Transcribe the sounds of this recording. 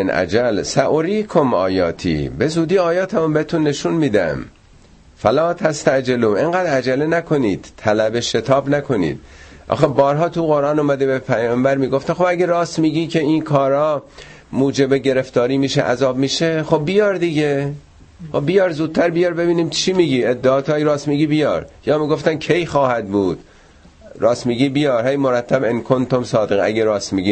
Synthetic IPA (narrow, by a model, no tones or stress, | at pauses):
enʔæ̰d͡ʒælsæʔoɾiːkʰomɒ̰ːjɒ̰ːt̪ʰḭːbe̞zuːd̪iːɒːjɒːt̪ʰæmumbehet̪ʰunːe̞ʃunmiːd̪æ̰m | fælɒːt̪ʰæst̪æʔd͡ʒeluːmeŋɡæːd̪æd͡ʒælenækʰo̞niːd̪̥t̪ʰælæbeʃe̞t̪ʰɒːbnækʰo̞nḭːd̪̥̚ʔɒ̰ːxebɒːɾɦɒːt̪ʰuɣo̞ɾʔɑːnomæd̪ebepʰæjɒmbæɾmiːɡoft̪exobæɡeɾɒːst̪miːɟiːcʰe̞iːnkʰɒːɾɒː | muːd͡ʒe̞beɟe̞ɾeft̪ɒːɾiːmiːʃḛʔæ̰zɒːbmiːʃeχo̞bːijɒɾd̪iɟe | xobbijɒːɾzuːd̪̥̚t̪ʰæɾbijɒːɾbe̞biːniːmt͡ʃʰiːmiːɡiːed̪ːeɒːt̪ʰoæjɾɒːsmiːɡiːbijɒ̰ːɾjɒːmiːɡo̞ft̪æncʰe̞jxɒːhæd̪buːd̪̥ | ɾɒːsmiːɡiːbijɒːɾhejmoɾæt̪ʰːæbenkʰont̪omsɒːd̪eɣæ̰ɡeɾɒːsmiɡiː